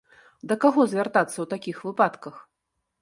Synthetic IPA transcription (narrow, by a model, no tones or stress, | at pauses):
d̪ɐkaɣɔzʲvʲart̪at̪sːɐwt̪akʲixvɨpat̪kɐx